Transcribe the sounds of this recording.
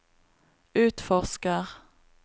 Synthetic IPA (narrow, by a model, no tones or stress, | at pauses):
ʉːt̪fɔʁskəʁ